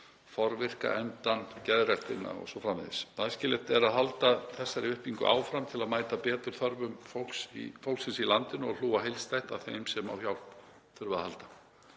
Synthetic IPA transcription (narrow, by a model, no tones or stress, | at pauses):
fɔɾvɪr̥ka̰ʔɛnt̪ancɛðrɛht̪ɪnːa̰ɔ̰ɣsɔfɾaːmɪðɪ̰sajscɪːlɪht̪ɛɾaðɦalt̪aθɛsːaɾɪʏhpiŋkʏ̰ʔa̰ːwfɾamt̪ʰɪlaðmaːjt̪apɛːt̪ʏɾ̥θœɾvʏmfowlksḭfowlksɪnsilant̪ɪnʏɔl̥uːaɦejlst̪ajht̪avθejmsɛma̰wçjawl̥p | θʏɾvaðahalt̪ḁ